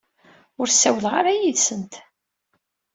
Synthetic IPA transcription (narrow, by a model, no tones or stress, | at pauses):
ʊɾsːæwlʁaɾajiðsənt̪